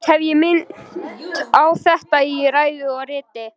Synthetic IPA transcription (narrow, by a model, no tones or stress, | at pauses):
hɛvjɪmɪntt̪awθɛht̪aiɾaːjðɪɔɣrɪːt̪ɪ